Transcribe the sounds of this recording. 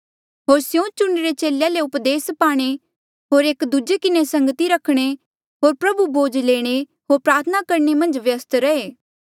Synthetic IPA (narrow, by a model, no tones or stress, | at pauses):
ɦoːɾsjõt͡ʃʊɳɾet͡ʃeːljaleʊpd̪eːspaːɽ̃e | ɦoːɾeːkd̪ud͡ʒekɪnesɐ̃ŋɡt̪iɾɐkʰːɽ̃e | ɦoːɾpɾɐbubʱoːd͡ʒleːɽ̃e | ɦoːɾpɾaːɾt̪ʰənakɐɾɳemɐ̃nd͡ʒʋjəst̪ɾɐeː